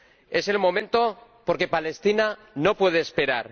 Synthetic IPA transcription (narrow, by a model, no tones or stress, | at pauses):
e̞se̞lmõ̞mẽnt̪o̞ | po̞ɾke̞pale̞st̪ina | no̞pwe̞ð̞eːspe̞ɾaɾ